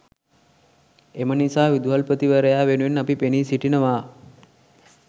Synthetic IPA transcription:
emənisaːʋid̪uɦalpət̪iʋəɾəjaːʋenuʋenːapipeniːsiʈinəʋaː

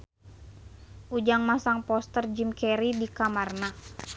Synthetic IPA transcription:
ʔud͡ʒaŋmasaŋpɔst̪ərd͡ʒimkɛɾidikamarna

